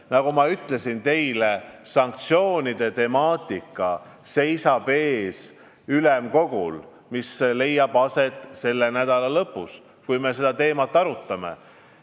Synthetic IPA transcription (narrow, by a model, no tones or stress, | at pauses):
nɑɡ̥umɑyt̪ːˑle̞sint̪e̞jlesɑŋk̚t̪sio̞ːnid̪̥e̞t̪e̞mɑːt̪ˑikːˑɑ | se̞jsɑb̥e̞ːs | ylemko̞ɡ̥ṵl | misle̞jːɑb̥ɑset̪ːˑse̞lːe̞næd̪ɑlɑlɤpːˑus | kujme̞se̞d̪ɑt̪e̞ːmɑt̪ːˑɑɾut̪ːˑɑme̞̰